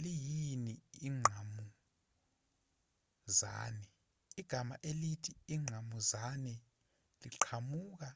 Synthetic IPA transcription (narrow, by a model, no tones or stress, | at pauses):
lijiniiŋ͡ǁʱamu | za̰ːnɛ | iɡ̥ʱamaʔelitʰiiŋ͡ǁʱamuzanɛ | liǃʰamuːk̬a